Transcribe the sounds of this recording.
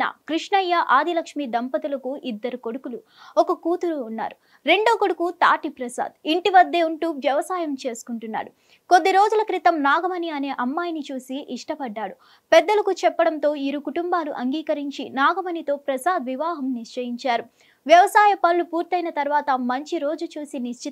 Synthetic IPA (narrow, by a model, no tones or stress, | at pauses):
a̰ːkɾiʂɳɐjːɐʔaːd̪ʱilɐkʂmid̪ɐmpɐt̪ulɐkuʔid̪ːɐɾuko̞ɽukulu | ɔkɐkuːt̪uɾuːnːa̰ːɾu | ɾe̞ɳɖoːkoɽukut̪aːʈipɾɐsa̰ːd̪iɳʈiʋɐd̪ːe̞ːuɳʈuːʋjɐʋɐsaːjɐmt͡ʃe̞ːsu̥kuɳʈunːa̰ːɽu | ko̞d̪ːiɾo̞ːd͡ʒulɐkɾit̪ɐmnaːɡɐmɐniɐne̞ːʔɐmːaːjɐnit͡ʃuːsiʔiʂʈɐpɐɖːaːɽu | pɛd̪ːɐlɐkut͡ʃɛpːɐɽɐnt̪o̞ːiɾukuʈumbaːluʔɐŋɡiːkɐɾiɲt͡ʃinaːɡɐmɐnit̪o̞ːpɾɐsaːd̪ʋiʋaːɦɐmniʂt͡ʃɐjiɲt͡ʃaːɾu | ʋjɐʋɐsaːjɐpɐlːupuːɾt̪ːɐjnɐt̪ɐɾʋaːt̪ɐmɐɲt͡ʃiɾo̞ːd͡ʒut͡ʃuːsiniʂt͡ʃi